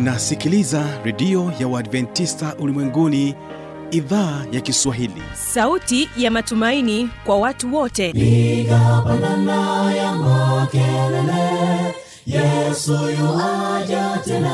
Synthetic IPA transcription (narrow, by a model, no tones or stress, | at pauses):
nasikilizaɾɛɗiɔjawaadvɛntistaʔulimwɛŋɡuniː | ðaːjakiswaɦilḭsautijamatumainikwawatuwɔtɛikapananajamakɛlɛlɛ | jɛsujɔwad͡ʒatɛn